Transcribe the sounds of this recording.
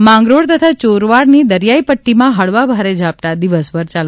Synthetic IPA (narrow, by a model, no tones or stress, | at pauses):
mãŋɡɾoɽt̪ət̪ʰat͡ʃoɾʋaɽnid̪əɾjaipəʈːimãɦəɭʋabʱaɾed͡ʒʱap̚t̪ad̪iʋəsbəɾt͡ʃal